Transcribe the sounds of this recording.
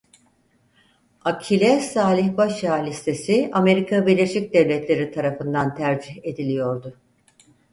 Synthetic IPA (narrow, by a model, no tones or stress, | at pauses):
acʰilʲɛsaːlʲiçbaʃjaːlʲist̪ʰe̞siame̞ɾikʰabiɾlʲe̞ʃic̚d̪ɛvlʲɛt̪lʲe̞ɾit̪ʰaɾafɯnd̪ant̪ʰæɾd͡ʒiçe̞d̪ilʲijo̞ɾd̪ʊ